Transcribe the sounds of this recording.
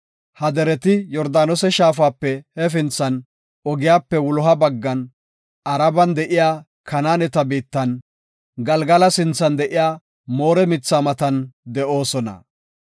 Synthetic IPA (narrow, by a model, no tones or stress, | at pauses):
hɐd̪ɛɾɛt̪ɪjɔɾd̪aːnɔsɛʃaːf̬aːpːɛhɛfɪnt͡sːɐn | ɔɡɪjaːpːɛwʊlɔɦɐbɐɡːɐn | ʔɐɾɐbɐnd̪ɛʔɪjaː | kɐnaːnɛt̪ɐbiːt̪ːɐn | ɡɐlɡɐlɐsɪnt͡sːɐnd̪ɛʔɪjaː | mo̞ːɾɛmɪt͡sːaːmɐt̪ɐnd̪ɛʔo̞ːsɔnɐ̰